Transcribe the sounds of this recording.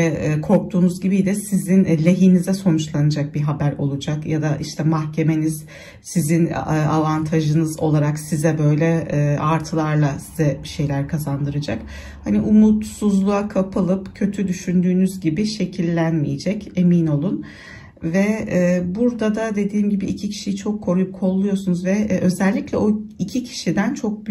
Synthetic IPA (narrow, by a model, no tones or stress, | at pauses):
ɛkʰo̞ɾk̚t̪ʰuːnuzɟibid̪ɛsizinlʲe̞ɦiːnizɛso̞nut͡ʃlˠanad͡ʒak̚biɦabæɾo̞lˠud͡ʒakjad̪aʔiʃt̪ʰɛmahcʰe̞me̞niz̥ | sizinːa̰vant̪ʰaʒɯnɯzo̞lˠaɾaksizɛbø̞jlʲɛːaɾt̪ʰɯlˠaɾlˠasizɛbiʃe̞jlʲæɾkʰazand̪ɯɾad͡ʒak | haniʔumut̪suzlˠuakʰapʰɯlˠɯpcʰø̞t̪ʰyd̪yʃynd̪yːnyzɟibiʃe̞cʰilʲːænmijed͡ʒɛce̞miːno̞lˠun | vɛːbuɾd̪ad̪ad̪e̞d̪iːmɟibiʔicʰicʰi̥ʃijit͡ʃʰo̞kʰːoɾkʰo̞lˠːujo̞sunuzvɛʔø̞zɛlʲːiclʲɛoicʰicʰi̥ʃid̪ænt͡ʃʰo̞k̚b